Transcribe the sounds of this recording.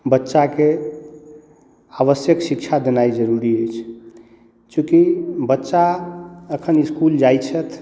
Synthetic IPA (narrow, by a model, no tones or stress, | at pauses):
bətːʃake | aβəsjəksikt͡ʃʰad̪enaid͡ʒəɾuɾiəjt͡ʃʰ | t͡ʃũkibətːʃaəkʰəniskuld͡ʒajt͡ʃʰət̪ʰ